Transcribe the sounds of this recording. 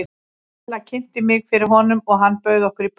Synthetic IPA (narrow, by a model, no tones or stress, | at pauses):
lacʰɪn̥t̪ɪmɪɣfɪɾɪɾ̥ɦɔnʏmɔɣɦanːpœːɥðɔhkʏɾip